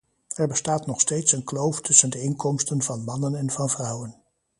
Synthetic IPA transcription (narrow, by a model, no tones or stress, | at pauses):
ɛɹbəstaːtnɔχstejtsənklowftɵsəndəɪŋkɔmstənvɑnmɑnənɛnvɑnvrʌwən